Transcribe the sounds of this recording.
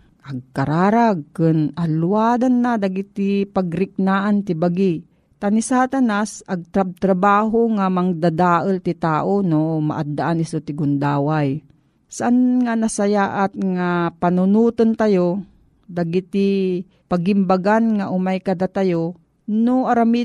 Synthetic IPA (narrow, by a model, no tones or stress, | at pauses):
ʔaɡ̚kaɾaːɾaɡ̚kɨnʔaluwaːd̪anːad̪aɡɪt̪ɪpaɡɾɪk̚naːʔant̪ɪbaɡi | t̪anisat̪anasaɡ̚t̪ɾab̚t̪ɾabaːɦoŋamaŋd̪ad̪aːʔəlt̪ɪt̪aːʔonoma̰ʔad̪ːaʔanɪsot̪ɪɡʊnd̪aːwaj | saʔanŋanasajaːʔat̪̚ŋapanʊnuːt̪ont̪ajo | d̪aɡɪt̪ɪ | paɡɪmbaɡanŋaʔʊmajkɐd̪at̪ajo | noʔaɾami